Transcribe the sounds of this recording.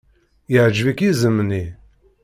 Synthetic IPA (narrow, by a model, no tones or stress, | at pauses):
jəʕd͡ʒvikizəmːni